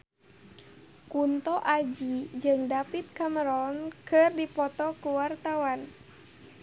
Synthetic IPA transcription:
kunt̪ɔʔad͡ʒid͡ʒɨŋdapit̪̚kaməɾɔnkɨrdipɔt̪ɔkuwart̪awan

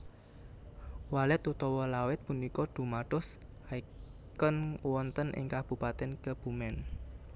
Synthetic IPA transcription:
walɛt̪ut̪ɔwɔlawɪt̪̚punikɔd̪̥ṳmaɖ̥ɔshaikənwɔnt̪ənʔɪ̰ŋkab̥ṳpat̪ɛnkəb̥ṳmɛn

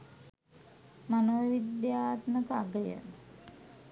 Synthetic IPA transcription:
manoʋəʋid̪jaːt̪məkəaɡəjə̰

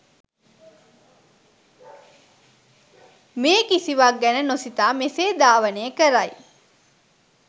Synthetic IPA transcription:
meːkisiʋaɡɛnənosit̪aːmeseːd̪aːʋəneːkəɾaj

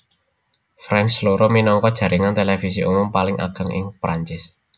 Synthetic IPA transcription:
fɾɛnsloɾɔminɔŋkɔd̥ʒ̥ä̤ɾʔiŋant̪elefisiʔumʊmpalɪŋʔa̰ɡ̥ə̤ŋʔɪ̰ŋpɾʔaɲt͡ʃɪs

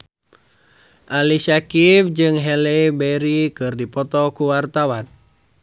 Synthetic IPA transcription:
ʔalisakifd͡ʒɨŋɦɛlɛbɛɾikɨrdipɔt̪ɔkuwart̪awan

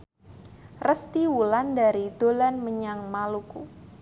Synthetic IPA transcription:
rəst̪iwulandaɾidolanməɲaŋmaluku

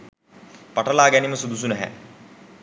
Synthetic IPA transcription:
paʈɐlaːɡæniməsud̪us̬unɛɦæ̰

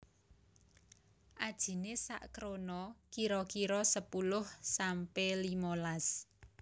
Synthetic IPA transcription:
ʔad̥ʒ̥i̤nesa̰ʔkɾonɔkiɾɔkiɾɔsəpulʊhsampelimolas

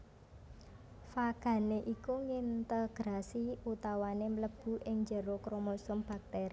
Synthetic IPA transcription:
faɡ̥a̤neʔikuŋint̪əɡ̥ɾasiut̪awanemələb̥ṳʔɪŋd͡ʒə̤ɾokɾomosʊmb̥a̤k̚t̪eɾi

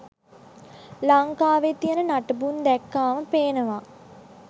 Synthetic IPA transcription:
laŋkaːʋet̪ijənənaʈəbund̪ɛkːaːməpeːnəʋa

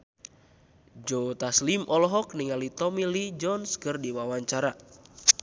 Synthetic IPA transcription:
d͡ʒot̪aslimʔɔlɔɦɔk̚niŋalit̪ɔmilid͡ʒɔnskɨrdiwawaɲt͡ʃaɾa

